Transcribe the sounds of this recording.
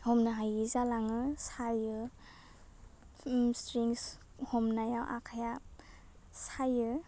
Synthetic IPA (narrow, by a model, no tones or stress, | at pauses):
hɔmnaɦajizalaŋɯsajɯ | stɾiŋs | hɔmnajawʔa̰kʰaja | sajɯ